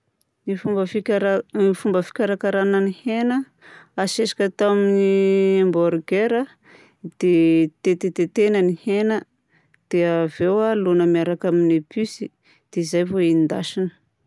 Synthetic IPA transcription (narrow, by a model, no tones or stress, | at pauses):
nifubəfiɾnifumbəfi̥kʲaɾakaɾanənihenə | aʃesḁkʲət̪aminiemboɾɡeɾə | d̪̥et̪et̪et̪et̪enənihenə | d̪̥eəvewalonəmiaɾakaminepʰysi | d̪̥eizajvoinind̪a̰ʃinə̥